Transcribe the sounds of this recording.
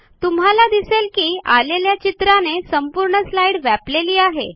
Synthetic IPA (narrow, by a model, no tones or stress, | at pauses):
t̪um̤ɦalad̪iselkiːaleljat͡ɕit̪ɾanesəmpuɾɳəslaiɽʋæpleliːaɦḛ